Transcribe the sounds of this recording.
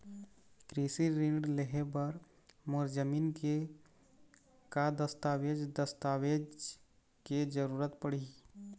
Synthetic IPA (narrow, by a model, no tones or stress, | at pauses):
kɾisiɾɪ̃ɳɖleɦebəɾ | moɾd͡ʒəmiːnke | kad̪əst̪aːʋed͡ʒd̪əst̪aːʋed͡ʒ | ked͡ʒəɾuːɾət̪pəɽ̤i